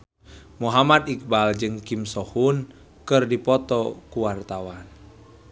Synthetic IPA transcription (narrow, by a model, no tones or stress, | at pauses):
muɦamad̪ik̚bald͡ʒɨŋkimsɔhun | kɨrdipɔt̪ɔkuwart̪awan